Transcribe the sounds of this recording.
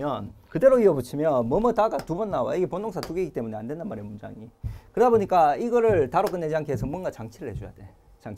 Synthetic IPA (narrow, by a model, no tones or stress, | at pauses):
jʌnkɯde̞ɾoiʌbɯt͡ɕʰimjʌnmʌmɯtaɡatubʌnːawaiɡe̞pondoŋsʰatuɡiɡit͈e̞muneandwe̞ndanmaɾiemund͡ʑa̰ŋikɯɾʌdaboɲik͈aiɡʌɾɯɭtaɾok͈ɯnːed͡ʑianŋkʰesʰʌmunɡat͡ɕaŋt͡ɕʰiɾɯɭhed͡ʑoja̰d̥e̞ | t͡ɕaŋ